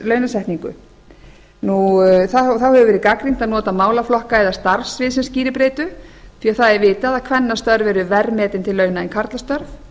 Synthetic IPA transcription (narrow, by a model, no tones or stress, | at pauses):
lœːɥnasɛht̪niŋkʏ̰ | nuθaθawhɛvʏvɛːɾɪðkakɾin̥t̪aðnɔːt̪amaːwlaflɔhkaɛðast̪aɾfsvɪðsɛmsciːɾɪpɾeːt̪ʏθiːaθaðɛɾvɪːt̪aðakʰvɛnːast̪œɾvɛɾʏvɛɾmɛːt̪ɪnt̪ʰɪlːœːɥnaɛnkʰaɾt̪last̪œɾf